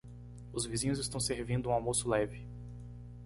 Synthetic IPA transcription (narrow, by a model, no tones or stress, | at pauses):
ʊzvizĩɲʊzɪst̪ɐ̃w̃seɾvĩnd̪ʊũawmosʊlɛvɪ